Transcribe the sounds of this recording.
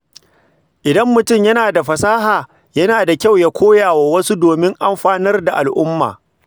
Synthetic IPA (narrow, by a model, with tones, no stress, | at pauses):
ʔɪ˨dɐ˦mːʊ˨tʊ˦mjɐ˦naː˨da˨ɸɐ˨saː˦ɦaː˨ | jɐ˦naː˨da˨kʲa˦˨wja˦kʷʰoː˦jaː˨waː˨wɐ˦su˦doː˨mɪ˦ŋʔa˨mɸaː˦nɐ˦rda˨ʔa˨lʔʊ˦mːa̰ː˨